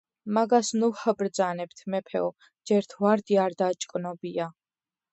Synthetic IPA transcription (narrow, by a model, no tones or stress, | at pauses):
maɡasnuhəbɾd̪zanɛb̚t̪ʰmɛpʰɛ̰ɔ | d͡ʒɛɾt̪ʰuaɾd̪iaɾd̪aːt͡ʃʼkʼnɔbia